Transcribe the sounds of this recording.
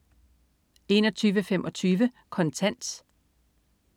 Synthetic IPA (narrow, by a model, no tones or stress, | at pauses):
e̝nɒt͡sʰyːʋəfemʔɒ̽t͡sʰyːʋə | kʰɒ̽nt͡sʰæn̰d̥